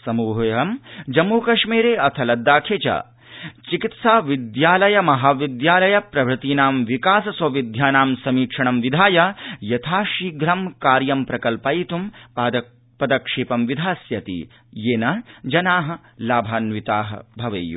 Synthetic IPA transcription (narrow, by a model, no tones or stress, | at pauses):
sɐmuːɦjɐɦɐmd͡ʒɐmːuːkɐʂmiːɾeːʔɐt̪ʰɐlɐd̪ːaːkʰeːt͡ʃɐ̰ | t͡ʃikit̪saːʋid̪jaːlɐjɐmɐɦaːʋid̪jaːlɐjɐpɾɐbʱɾɪt̪iːnaːmʋikaːsɐsʋɐʋid̪ʱjaːnaːmsɐmiːkʂɐɳɐmʋid̪ʱaːjɐjɐt̪ʰaːʃiːɡɾɐmkaːɾjɐmpɾɐkɐlpɐjit̪um | pɐd̪ɐkʂeːpɐmʋid̪ʱaːsjɐt̪ḭ | jeːnɐd͡ʒɐnaːɦɐ̆ | laːbʱaːnʋit̪aːɦɐ̰bʱɐʋɐ̰jṵ